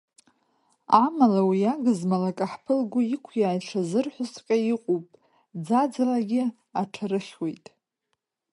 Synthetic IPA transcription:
amalawiaɡɨzmalakʼaħpʰɨlɡʷʊikʷʰjaːjʈ͡ʂʰazɨrħʷʊsqʲʼajiqʷʼupʼ | d͡zad͡zalaɡʲɪ | aʈ͡ʂʰaɾɨχʲwe̞jtʼ

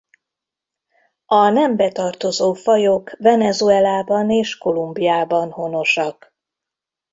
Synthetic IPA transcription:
ɒnɛmbɛt̪ɒrt̪o̞zoːfɒjo̞kvɛnɛzuɛlaːbɒneːʃko̞lumbijaːbɒnho̞no̞ʃɒk

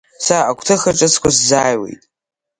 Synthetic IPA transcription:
saakʷʰtʰɨχaʈ͡ʂʼɨt͡sʰkʷʰaszaːjwḛjtʼ

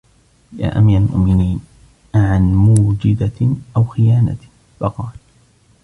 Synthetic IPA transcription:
ja̰ːʔa̰miːɾˤalmʊ̰ʔmɪniːn | ʕanmuːd͡ʒɪd̪aʔawxɪjaːna̰ | fɑqɑːl

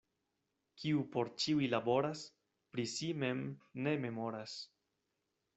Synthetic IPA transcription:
kʰiupo̞ɾt͡ʃiujlabo̞ɾas | pɾisime̞mne̞me̞mo̞ɾas

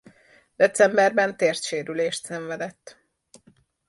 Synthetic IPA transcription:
d̪̥ɛt̪sɛmbɛrbɛnt̪eːrt̪ʃeːɾyleːʃt̪sɛɱvɛd̪ɛt̪ː

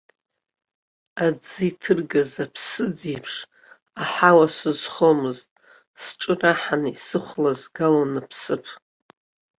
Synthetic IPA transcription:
ad͡zɨitʰɨrɡazapʰsɨd͡zipʰʂ | aħawasɨzχomɨztʼ | sʈ͡ʂʼɨraħanisɨχʷlazɡalanapʰsɨpʰ

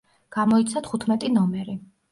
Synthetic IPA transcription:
ɡ̥amɔit̪sʰat̪ʰχut̪ʰmɛt̪ʼinɔmɛɾi

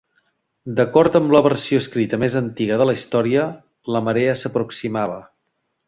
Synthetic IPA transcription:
d̪əkɔɾt̪əmbləβəɾsioəskɾit̪əmezənt̪iɣəðələist̪ɔɾiə | ləməɾeəsəpɾuksimaβ̞ə

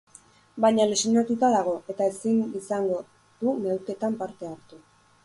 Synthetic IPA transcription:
bajɲalesinat̪ut̪aðaɣo̞ʔe̞t̪aesinisaŋɡo̞ | ð̥umewke̞t̪ampaɾt̪e̞aɾt̪u

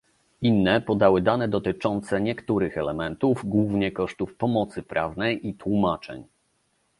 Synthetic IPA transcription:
inːɛpɔd̪awɘd̪anɛd̪ɔt̪ɘt͡ʂɔnt̪sɛɲɛkt̪uɾɘxɛlɛmɛnt̪uvɡwuvɲɛkɔʂt̪ufpɔmɔt̪sɘpɾa̰vnɛjʔit̪wumat͡ʂɛ̰ɲ

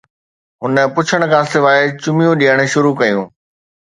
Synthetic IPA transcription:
ɦʊnə̆pʊt͡ɕʰəɽ̃ʊ̆kʰãːsɪʋaːɪt͡ɕʊmijũɗiːəɽ̃ʊ̆ʃʊɾukɐjũː

